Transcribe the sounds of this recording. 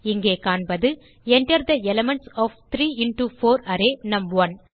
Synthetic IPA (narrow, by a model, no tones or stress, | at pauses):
ɪŋɡeːkaːɳbɐðɯ | ɛɳʈɐɾd̪ɐɛlɐmɛɳʈsɔːft̪ɾiːɪnʈufoːɾɐɾeːnɐmʋɐn